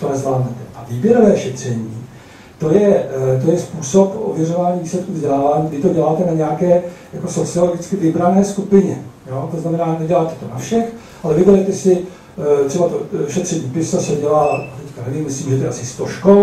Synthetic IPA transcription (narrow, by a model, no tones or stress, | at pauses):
t̪onɛzlaːd̪nɛt̪ɛʔaviːbjɛɾovɛːʃɛt̪r̝̥ɛɲiː | t̪o̞jɛt̪o̞jɛspuːso̞pʔo̰vjɛro̞vaːɲiːviːslɛt̪̚kuvzɟʲɛlaːvaːɲiːɡɪt̪o̞ɟɛlaːt̪ɛnaɲɛakɛːjako̞so̞t͡sɪoloɡɪt͡skɪvɪbɾanɛːskupɪɲɛjoːt̪o̞znamɛnaːnɛɟɛlaːt̪ɛ̥t̪o̞nafʃɛx | ʔalɛvɪbɛɾɛt̪ɛsɪ | t̪r̥ɛbat̪oʃɛt̪r̥ɛɲiːpɪsasɛɟɛlaːat̪ɛckanɛviːmːɪsliːmʒɛt̪oɛʔa̰sɪst̪o̞ʃkol